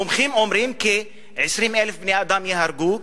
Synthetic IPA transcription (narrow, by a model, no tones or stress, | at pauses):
ʊmximʕomɾiːmke | ʕɪʃɾimelfbneʔad̪amjeɦaɾɡu